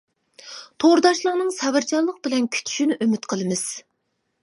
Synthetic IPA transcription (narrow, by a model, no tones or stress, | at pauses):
t̪ʰoɾɨd̪ɑʃlˠəʁnɨŋsɛvɪɾt͡ʃʰɑɾlˠəq̚bɪlɛnkʲʰy̥t̪ʰy̥ʃynɪʔømyt̪qʰəlˠɨmɨz̥